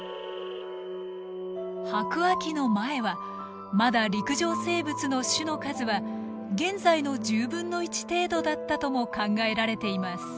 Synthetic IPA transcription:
hakɯ̟βakʲino̞mae̞βa | mad̪aɾʲikɯ̟ʑo̞ːse̞ːbɯ̟t͡sɨno̞ɕɨno̞kazɨβa | ɡẽ̞nd͡zaino̞d͡ʑɨːbɯ̟̃nːo̞it͡ɕi̥t̪e̞ːd̪o̞d̪at̪ːat̪o̞mo̞kãŋɡae̞ɾaɾe̞t̪e̞imasɨ̥

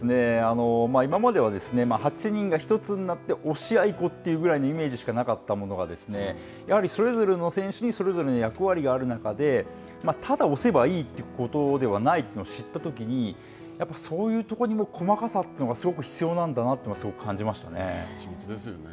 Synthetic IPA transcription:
sɨne̞ano̞maːimamad̪e̞β̞ad̪e̞sɨne̞mahat͡ɕiɲ̟ĩŋɡaçi̥t̪o̞t͡sɨn̟inat̪ːe̞ʔo̞ɕiaiko̞t̪ːejɯ̟ɡɯ̟ɾaino̞ime̞ːd͡ʑiɕi̥kanakat̪ːamo̞no̞ɡa̰d̪e̞sɨ̥ne̞ | jahaɾʲiso̞ɾe̞zo̞ɾe̞no̞sẽ̞ɰ̃ɕɨɲ̟iso̞ɾe̞zo̞ɾe̞nojakɯ̟βaɾʲiɡaːɾɯ̟nakad̪e̞ | mat̪ʰad̪ao̞se̞baiːt̪ːeɯko̞t̪o̞d̪e̞β̞anait̪ːenoɕit̪ːat̪o̞k̬ʲiɲ̟i | japːḁso̞ːjɯ̟ːt̪o̞ko̞ɲ̟imo̞ːkʰo̞makasat̪ːenoɡasɨɡo̞k̬ɯ̟çi̥t͡sɨjo̞ːnãnd̪anat̪ːeinoasɨɡo̞kɯ̟kʰãɲ̟d͡ʑimaɕi̥t̪a̰ne̞̰t͡ɕimʲiid̪esɨjo̰n

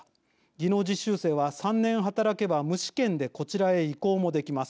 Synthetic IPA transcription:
ɡʲino̞ːd͡ʑiɕːɨːse̞ːβasãnːẽ̞ɰ̃ɦat̪aɾake̞bamɯ̟ɕi̥kẽ̞nd̪e̞ko̞t͡ɕiɾae̞iko̞ːmo̞d̪e̞kʲimasɨ̥

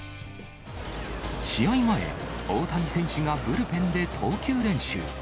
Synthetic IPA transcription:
ɕijʌimaḛot̪ʰad͡ʑisʰeŋɕiŋapɯɾɯpend̪e̞t̪ʰoɯkʰiɯɾenɕɯ̰

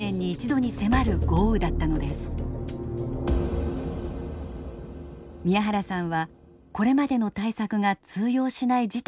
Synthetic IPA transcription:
ẽ̞ɲ̟ːiːt͡ɕid̪o̞ɲ̟ise̞maɾɯ̟ɡ̥o̞ːɯ̟d̪at̪ːano̞d̪e̞sɨ̥ | mʲiaɦaɾasãɰ̃βa | ko̞ɾe̞mad̪e̞no̞t̪aisakɯ̟ŋat͡sɨːjo̞ːɕinaid͡ʑit̪

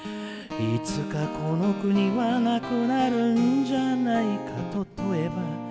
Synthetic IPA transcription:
it͡sɨkakʰo̞no̞kɯ̟ɲ̟iβanakɯ̟naɾɯ̟nd͡ʑanaikʰa̰t̪o̞t̪oeba

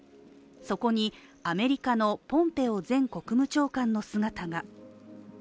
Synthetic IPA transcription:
so̞ko̞ɲ̟iame̞ɾʲikano̞põ̞mpe̞o̞zẽ̞ŋko̞kɯ̟mɯ̟t͡ɕo̞ːkãnːo̞sɨɡat̪aɡa

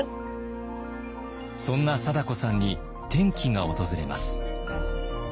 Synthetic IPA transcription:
sõ̞nːasad̪ako̞sãɲ̟ːi | t̪ẽ̞ŋkʲiŋao̞t̪o̞zɨɾe̞ma̰sɨ̥

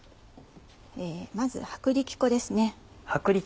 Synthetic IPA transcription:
eːmazɨ̰hakɯ̟ɾʲikʲi̥ko̞d̪e̞sɨne̞ | hakɯ̟ɾʲi

